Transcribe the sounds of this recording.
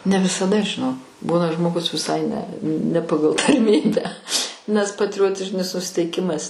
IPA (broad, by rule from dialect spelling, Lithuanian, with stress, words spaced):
nʲɛ ʋʲɪsɐˈdɐ ʒʲɪˈnoːk ˈbuːnɐ ʒmoːˈɡʊs ʋʲɪˈsɐɪ nʲɛ nʲɛ ˈpɑːɡɐlˠ tɐrʲˈmʲiːbʲæː nʲɛs pɐtʲrʲɪˈjoːtʲɪʒʲɪnʲɪs nʊsʲɪtʲɛɪˈkʲɪmɐs